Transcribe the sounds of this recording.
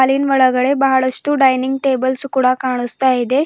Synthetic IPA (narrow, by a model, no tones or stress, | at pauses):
aliːnʋəɭəɡəɭebaɦaɭəst̪uɖajniŋɡ̚ʈebəlsukuɽakaɳ̃əst̪əaed̪e